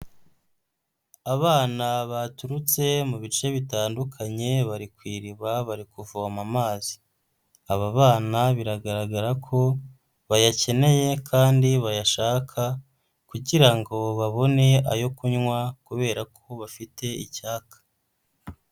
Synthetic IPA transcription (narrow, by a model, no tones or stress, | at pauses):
aβaːnaβatuɾut͡se̞muβit͡ʃe̞βitaːndukʰaɲe̞βaɾikwiːɾiβaβaɾikuvuamamaːzi̥ | aβaβaːnaβiɾaɡaɾaɡaɾakʰo̞ | βajace̞ne̞je̞kʰaːndiβajaʃaːkʰa | kuɟiɾaŋɡo̞βaβo̞ne̞a̰jo̞kuɲŋwakuβe̞ːɾakʰo̞βafitʰe̞icaːkḁ